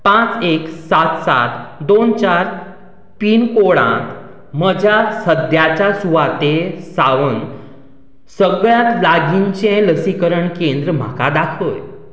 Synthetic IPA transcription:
pãt͡seksat̪sa̰t̪d̪ont͡ɕaɾ | piːnkoɽã̰t̪ | məd͡ʑʱjasəd̪ʱjat͡ɕasuʋat̪esaʋən | səɡɭjat̪laɡiɲt͡ɕẽləsikəɾəɳkẽnd̪ɾəm̤a̰ka̰d̪akʰəj

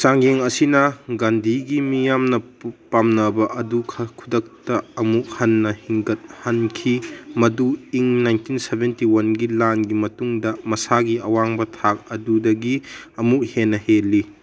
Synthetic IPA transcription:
saŋjeŋɐsinɐɡandʱiɡimijamnɐpamnɐbɐʔɐdukʰɐkʰudɐk̚tɐɐmuk̚hɐnːɐhiŋɡɐt̚hɐnkʰimɐduiŋnajntinsebentiwɐnɡilanɡimɐtuŋdɐmɐsaɡiɐwaŋbɐtʰak̚ɐdudɐɡiɐmuk̚henːɐhelːi

